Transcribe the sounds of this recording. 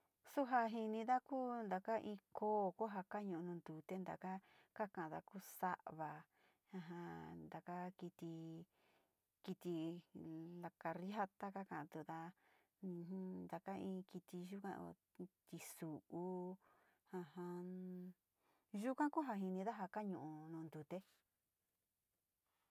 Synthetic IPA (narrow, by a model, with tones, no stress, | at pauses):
su˦ɦa˧ɦi˧nĩ˧ða˦kuː˦nd̪a˨ka˦ʔĩ˧koː˦˨ko˦ɦa˧ka˦ɲũ˧ʔnũ˧nd̪u˨t̪e˦nd̪a̰˨ka˦ | ka˦kã˨ʔã˨˧ða̰˧kuː˦sa̰˦ʔβa˧˨ | ã˧ɦã˧nd̪a˨ka˦ki˧t̪i˧ | ki˧t̪i˧ | la˧ka˧ɾi˦ɦa˧t̪a˦ka˦kã˨ʔt̪u˧ðã˧˦ | nd̪a˨ka˦ĩː˧ki˧t̪i˧ʒu˦kã̰˦˧o̰˧ | t̪i˧su˨ʔu˧ | ã˧hã˧ | ʒu˦kã˦ku˦ɦa˧ɦi˧nĩ˧ða˦ɦa˧ka˦ɲũ˧˨ũ˧nũː˧nd̪u˨t̪e˦